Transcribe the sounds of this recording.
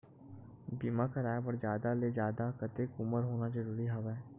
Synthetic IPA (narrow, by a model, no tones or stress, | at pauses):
biːmakɐɾaːjebɐɾd͡ʒjaːd̪aleːd͡ʒjaːd̪akət̪ekʊməɾɦoːnazəɾuːɾiɦaʋɛː